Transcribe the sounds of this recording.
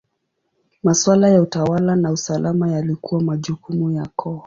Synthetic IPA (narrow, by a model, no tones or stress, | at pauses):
maswalajautawalanausalamajalikuwamaʄukumujakʰɔ